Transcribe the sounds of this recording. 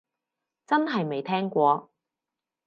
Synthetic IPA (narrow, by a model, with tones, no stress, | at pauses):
t͡sɐ˥nɦɐ˨jme˨jt̪ʰɛː˥ŋkʷɔː˨˧